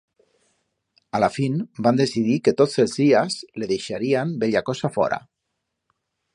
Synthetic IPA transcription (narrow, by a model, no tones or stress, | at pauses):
alafinband̪esiðiket̪ozelˠzðiazleðejʃaɾiambeʎakɔsafɔ̰ɾa̰